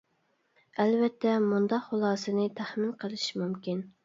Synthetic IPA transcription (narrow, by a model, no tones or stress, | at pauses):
ɛlvɛt̪ʰːɛmund̪ɑqχʊlˠɑːsɨnɨt̪ʰæχmɪnqʰəlˠɨʃmumkʲin